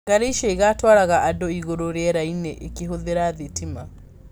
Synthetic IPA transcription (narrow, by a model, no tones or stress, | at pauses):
ɡaɾeʃeiɣatwaɾaɣaʔadoiɣoɾoɾjɛɾaineʔekeɦoðeɾaðetima